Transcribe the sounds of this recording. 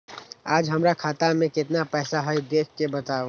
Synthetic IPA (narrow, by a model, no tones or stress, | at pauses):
aːd͡ʒɦəmɾakʰaːt̪amẽkɪt̪napɛːsaɦəid̪eːkʰkebət̪ao